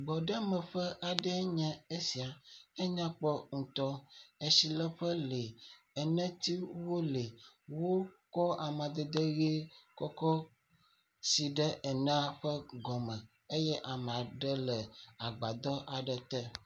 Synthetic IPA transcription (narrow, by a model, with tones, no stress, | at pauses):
ɡ͡bɔ˨ɖə˦mə̃˨ɸə˦ʔa˨ɖɛ˦ɲɛ̃˦e˦si˨a˨e˦ɲã˦k͡pɔ˦ŋũ˨t̪ɔ˦e˨si˨lɛ˦ɸə˦le˨ | ɛ˨nɛ̃˦t̪i˦wo˦le˨ | wo˦kɔ˦a˨mã˨d̪ɛ˨d̪e˦ɣe˦kɔ˦kɔ˦ | si˨ɖə˦ʔɛ˨nɛ̃˦a˦ɸə˦ɡɔ˨mɛ̃˨ | e˦jɛ˦ʔa˨mã˨ɖə˦lɛ˨a˨ɡ͡ba˨d̪ɔ˦ʔa˨ɖɛ˨t̪ɛ˦